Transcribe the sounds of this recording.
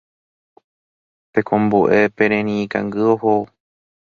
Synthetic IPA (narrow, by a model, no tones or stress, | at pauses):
pe̞kʰõmbuʔe̞pẽ̞ɾ̃ẽñĩkã̰ŋɡɨoho